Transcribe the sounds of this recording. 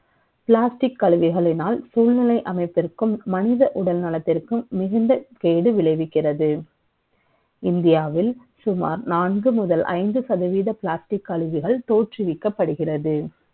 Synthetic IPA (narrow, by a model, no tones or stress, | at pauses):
pɪɭaːsʈɪkːɐɭɯʋɪɣɐɭɪnaːlsuːlnɪlɐɪʔɐmɐɪpːɪrkɯmːɐnɪðɐʔʊɽɐlnɐlɐt̪ːɪrkɯːɪɣɯnd̪ɐkeːɽɯʋɪɭɐɪʋɪkːɪrɐðɯ | ɪnd̪ɪjaːʋɪl | sʊma̰ːɾnaːnɡɯmʊðɐlʔɐ̰ɪnd̪ɯsɐðɯʋiːðɐpɭaːsʈɪkːɐɭɯʋɪɣɐɭt̪oːʈrɪʋɪkːɐpːɐɽɯɣɪrɐðɯ